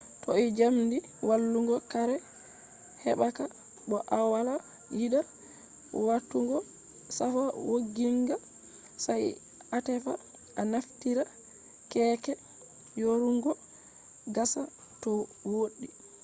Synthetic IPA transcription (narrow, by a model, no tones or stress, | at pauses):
tɔid͡ʒamndi | walːuŋɡɔkaɾɛ | hɛ̰ɓaka | ɓɔʔawala | jida | watːuŋɡɔ | safawoɡiŋɡa | saj | atɛfa | ʔanaftiɾa | kɛːkɛ | joɾuŋɡɔ | ɡasa | tɔwoɗːi